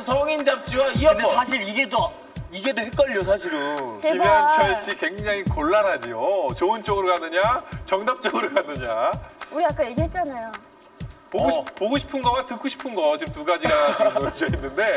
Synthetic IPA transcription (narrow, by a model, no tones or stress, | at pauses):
sʰʌŋind͡ʑap̚t͡ɕ͈iwaiʌsʰaɕʰiɾiɡe̞do | iɡe̞dohek͈ʌʎːos̬ʰaɕʰiɾɯt͡ɕeiɡʌt͡ɕʰʌɭɕ͈ikwe̞ŋd͡ʑaŋikoɭːanɦad͡ʑiot͡ɕoɯnt͡ɕ͈oɡɯɾokanɯɲat͡ɕʌŋnap̚t͡ɕ͈ʌɡɯɾokanɯɲauɾijak͈anjeɡiɦet̚t͡ɕ͈anajo | poɡopoɡoɕʰi̥pʰɯnɡʌmatɯk͈oɕʰi̥pʰɯnɡʌt͡ɕiɯmtuɡad͡ʑiɡat͡ɕʌmɯd͡ʑʌinːɯnde̞